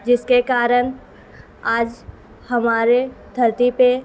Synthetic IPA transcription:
d͡ʒɪskekaːɾən | aːd͡ʒ | hɐmaːɾed̪ʱɐɾt̪ipe

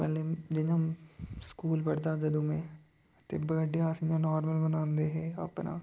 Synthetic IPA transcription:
pɛːled͡ʒɪɲãskuːlpɐɽd̪aːd͡ʒɐd̪umẽ | t̪ḛbəɖeaːsɪɲãnɔːɾməlmənãːnd̪eɦɛːɐ̰pna̰ː

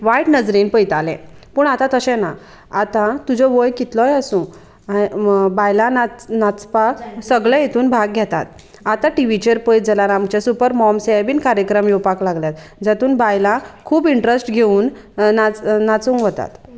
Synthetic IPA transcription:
ʋajʈnəd͡zɾinpəjt̪alɛ̰̃puːɳat̪ãt̪əɕɛ̃na | at̪ãt̪ud͡ʑɔʋəjkit̪lɔjasũ | abajlananat͡spaksəɡɭɛ̃jet̪ʰuːnbʱaɡ̚ʱjɛt̪a̰t̪̚ | at̪ãʈiʋit͡ɕeɾpəjd͡zəlaɾamt͡ɕesupəɾmɔmseabiːnkaɾjəkɾəmjɔwpaklaɡljat̪ | d͡zat̪uːnbajlãkʰuːbiɳʈɾesʈɡʱeuːnː | at͡snat͡sũŋkʋət̪a̰t̪

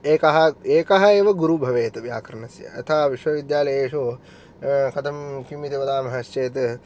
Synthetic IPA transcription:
eːkɐɦɐeːkɐɦɐeːʋɐɡuɾubʱɐʋeːt̪ɐʋja̰ːkɐɾɐɳɐsjɐ̰ḛt̪ʰaːʋiʃʋɐʋid̪jaːlɐjeːʂoː | kɐt̪ʰɐmkimit̪iʋɐd̪aːmɐɦɐst͡ʃeːt̪̬ɐ

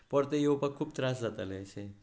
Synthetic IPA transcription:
pəɾt̪ejewpakʰːuːb̚t̪ɾasd͡zat̪a̰leəse

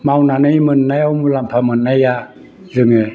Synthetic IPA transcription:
mawnanɯjmɯnːajawmulampʰamɯnːaja | zɯŋɯ

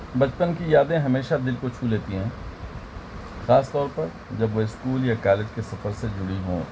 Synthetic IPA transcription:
bɐt͡ʃpənkijaːd̪ẽɦɐmeːʃad̪ɪlkot͡ʃʰuːleːt̪iɦɛ̃ː | xaːst̪ɔːɾpɐɾ | d͡ʒɐbʋoɪskuːljakaːled͡ʒkesɐfəɾsed͡ʒʊɽiɦõ̰ː

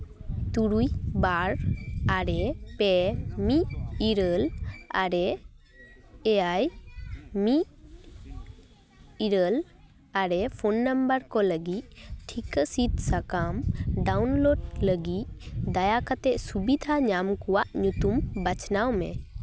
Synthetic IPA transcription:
t̪uɾujbaɾaɾɛpɛmiʔiɾəla̰ɾɛ | ɛaj | miʔ | iɾəl | aɾɛpʰɔnːambəɾkɔləɡic̚ʈʰikəsit̪sakamɖawnloɖləɡic̚d̪ajakat̪ɛʔsubid̪ʱaɲamkɔwaʔɲut̪umbat͡ʃnawmɛ̰

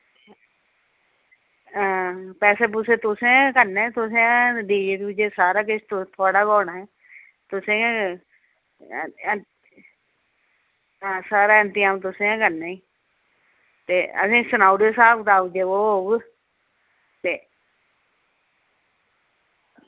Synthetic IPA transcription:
ãpɛːseːp̬ʊsẽt̪ʊsẽkənẽːt̪ʊsẽãɖiːd͡ʒeːʈid͡ʒesaːɾaːket͡ʃʰt̪t̪ʰoːɽaːkɔːnaɛː | t̪ʊsẽ | ãːsaːɾaːənt̪ɪjãːmt̪̬ʊsẽãkəɾneːi | t̪eːə̰sĩːsənaːʊɖesaːbd̪aːʊd͡ʒeːʋoːɦoːɡ | t̪eː

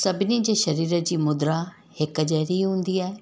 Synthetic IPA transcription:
sɐbɪnid͡ʑeːʃɐɾiːɾəd͡ʑiːmʊd̪ɾa | hɪkəd͡ʑɛːɾiɦũːnd̪iaːe

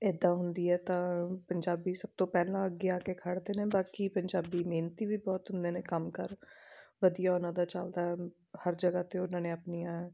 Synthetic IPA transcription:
ɪd̪ːãːɦʊnd̪iːɛːt̪ãːpəɲd͡ʒaːbiːsəb̚t̪õːpɛːlãːəɡːeaːkeːkʰəɽd̪eːneːbaːkiːpəɲd͡ʒaːbiːmeːnt̪iːʋiːbɔːt̪ɦʊnd̪eːnẽːkəmkəɾʋəd̪ijaːonãːd̪aːt͡ʃald̪aːɦɛ | həɾd͡ʒəɡaːt̪eːʊnãːnẽːəpnijãːɛː

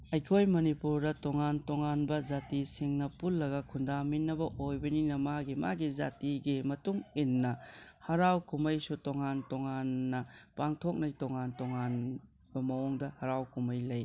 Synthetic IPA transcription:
ɐjkʰojmɐnipuɾdɐtoŋantoŋanbɐzatisiŋnɐpulːɐɡɐkʰundaminːɐbɐʔojbɐninɐmaɡima̰ɡiza̰tiɡimɐtuŋinːɐhɐɾawkumɐjsutoŋantoŋanːɐpaŋtʰok̚nɐjtoŋantoŋan | b̥ɐmɐɔŋdɐhɐɾawkumɐjlɐj

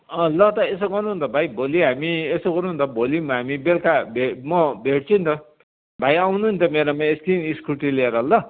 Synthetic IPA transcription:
ʌ̃lʌt̪ʌesoɡʌrnuɦunt̪ʰʌbʱajbʱoliɦamiesoɡʌrnuɦunt̪ʌbʱolimʌɦamibelkabʱemʌbʱeʈ̚t͡sʰunt̪ʌ | bʱajawnuɦunt̪ʰʌmeɾʌmaest̪iniskuʈilieɾʌɦʌlːʌ

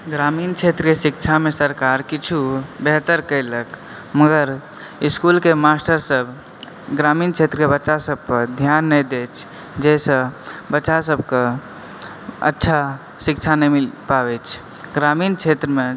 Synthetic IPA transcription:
ɡɾamint͡ʃʰet̪ɾəkesik̚t͡ʃʰamesəɾkaɾkit͡ʃʰubeɦt̪əɾkəɪlək | məɡəɾ | iskulkemasʈəɾsəb | ɡɾamint͡ʃʰet̪ɾəkebətːʃasəb̚pəɾd̪ʱjanːəd̪et͡ʃʰ | d͡ʒɛsə̃bətːʃasəbke | ə̰tːʃʰa | sikt͡ʃʰanəmilpabɛt͡ʃʰ | ɡɾamint͡ʃʰet̪ɾəme

